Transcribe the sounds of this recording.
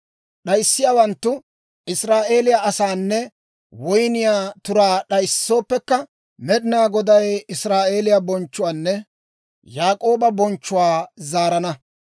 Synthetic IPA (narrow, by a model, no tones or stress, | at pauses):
ɗɐjsːɪjaːwɐnt̪ːʊ | ʔɪsɾaːʔe̞ːlɪjaʔɐsaːnːɛ | wɔjnɪjaːt̪ʊɾaːɗɐjsːo̞ːpːɛkːɐ | mɛɗɪnaːɡɔd̪ɐjɪsɾaːʔe̞ːlɪjabɔnt͡ʃːʊwaːnːɛ | jaːkʼo̞ːbɐbɔnt͡ʃːʊwaːzaːɾɐnɐ